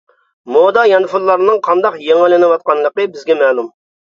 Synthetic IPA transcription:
mod̪ɑjɑnfullˠɑɾɨnɨŋqʰɑnd̪ɑqjeŋɪlɪnɪwɑt̪̚qɑnlˠəqəbɪzɡʲɛmɛːlˠum

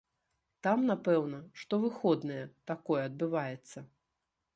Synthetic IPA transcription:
t̪amnapɛwnɐʂt̪ɔvɨxɔd̪nɐjɛt̪akɔjɛɐd̪̚bɨvajɛt̪sːɐ

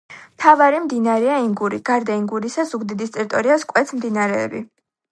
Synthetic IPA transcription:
mt̪ʰavaɾimd̪inaɾɛaiŋɡuɾiɡ̥aɾd̪aiŋɡuɾisazuɡd̪id̪ist̪ʼɛɾit̪ʼɔɾiaskʼwɛt̪sʰmd̪inaɾɛːbḭ

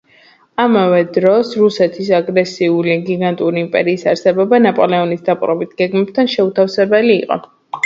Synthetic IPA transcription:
amavɛd̪ɾɔsɾusɛt̪ʰisaɡɾɛsiuliɡiɡant̪ʼuɾiːmpʼɛɾiːsaɾsɛbɔbanapʼɔlɛɔnisd̪apʼɾɔbit̪ɡ̥ɛɡmɛb̚t̪ʰanʃɛut̪ʰafsɛbɛliːqʼɔ̰

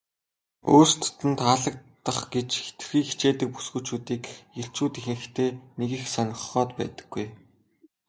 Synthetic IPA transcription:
o̰ːst̪ʰt̪ɘ̆nt̪aːɮə̆k̚t̪ːə̆χɡet͡ɕxe̥t̪ɘ̆xiːŋxit͡ɕeːt̪ɘ̆k̚pu̥sɡŭːt͡ɕuːt̪iːkjeɬt͡ɕuːt̪ixɘ̆xt̪ʰeːneɣɘ̆xsœnʲɪ̆χχɔːt̪pæ̰ːt̪ə̥̆ɡ̥ːuj

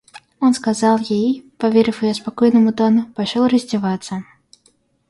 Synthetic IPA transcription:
ɔnskazalˠjejpavʲeɾɨfjujɔspakɔjnɨmʊd̪ɔnʊpaʂɔlˠrɐzʲdʲɛvat̪sːə

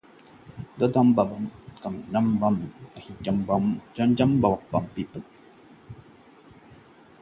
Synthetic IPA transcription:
dəd̪ambabamkamnambamahikʲambamd͡ʒand͡ʒambawabampipət̚

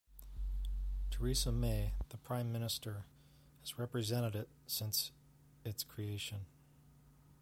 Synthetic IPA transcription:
tʰə˞isəmeɪðəpʰɹ̥ãɪ̃mːɪ̃ñɨstə˞ | hɨz̥ɹɛpɹɨzɛ̃ɾ̃ɨɾɪt̚sɪ̃ns | ɨtskʰɹ̥ieɪʃɨ̃n

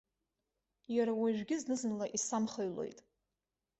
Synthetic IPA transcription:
jaɾawaʒʷᶣɡʲɪznɨzɨnlaʔisamχaɥlo̞̰jtʼ

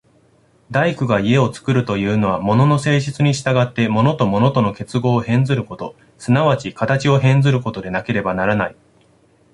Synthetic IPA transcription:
d̪aikɯ̟ɡaie̞o̞t͡sɨ̥kɯ̟ɾɯ̟t̪o̞jɯ̟ːno̞β̞amo̞no̞no̞se̞ːɕit͡sɨɲ̟iɕi̥t̪aɡat̪ːe̞mo̞no̞t̪o̞mo̞no̞t̪ono̞ke̞t͡sɨɡo̞ːhẽ̞nd͡zɨɾɯ̟ko̞t̪o̞ | sɨnaβ̞at͡ɕikat̪at͡ɕio̞ɦẽ̞nd͡zɨɾɯ̟ko̞t̪o̞d̪e̞nake̞ɾe̞banaɾanai

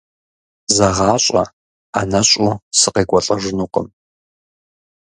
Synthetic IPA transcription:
zɐʁɑːɕʷʼɐ̰ | anɐɕʼusɨqeːkʷʼɐɬʼɐʒɨnuːqə̰m

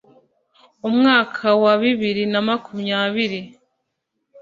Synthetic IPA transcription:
umŋaːkʰawaβiβiɾinamakumɲaβiɾi

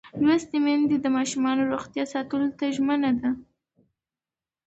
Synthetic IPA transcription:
lwəst̪emɛnd̪ed̪əmɑʃumɑnoɾoxt̪jɑsɑt̪əlot̪aʒmənad̪a

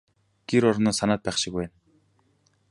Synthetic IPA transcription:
ɡ̥eɾɔɾnɔːsanaːt̪̚pæːχʃɪ̆kwæːn

